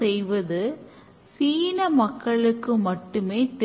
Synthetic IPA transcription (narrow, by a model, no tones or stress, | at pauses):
ɛjʋɐðɯ | siːnɐmɐkːɐɭɯkːɯmɐʈːɯmeːt̪ɛ